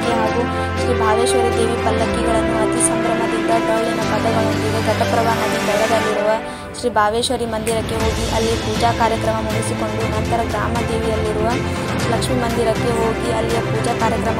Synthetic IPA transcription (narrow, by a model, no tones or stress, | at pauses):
keɦaːɡu | ʃɾibʱaːʋeːʃʋɐɾid̪eːʋipɐlːɐkiɡɐɭɐnːuɦɐt̪ːjɐsɐmɡɾɐmɐd̪id̪ːɐb̪ɾɐʋɭinɐpɐd̪ɐʋɐɭɐsɾiɡeɡɐʈɐpɾɐʋaːɦɐd̪ebɛɭːɐd̪ɐlːiɾuʋɐ | ʃɾiːbʱaːʋeːʃʋɐɾimɐnd̪iɾɐkːeɦoːɡiʔɐlːipuːd͡ʒaːkaːɾjɐkɾɐmɐmuːisikoɳɖunɐnt̪ɐɾɐɡɾaːmɐd̪eːʋijɐlːiɾuʋɐlɐkʂmimɐnd̪iɾɐkːeɦoːɡiɐlːijɐpuːd͡ʒaːkaːɾjɐkɾɐmɐ